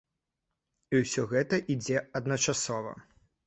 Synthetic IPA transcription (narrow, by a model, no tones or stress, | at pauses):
iwsʲɔɣɛt̪ɐʔid͡zʲɛɐd̪nɐt͡ʂasɔvɐ̰